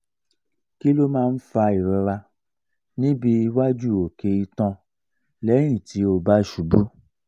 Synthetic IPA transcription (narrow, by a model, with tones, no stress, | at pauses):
ki˦lo˦mãː˦˧n̩˦fa˧i˨ɾɔ˧ɾa˧ | nĩ˦bi˧wa˦d͡ʒu˦˨o˨ke˧i˧tã˧ | lɛ˨˦j̃ĩ˦˨tʰi˨˦o˧ba˦ʃu˨˦bu˦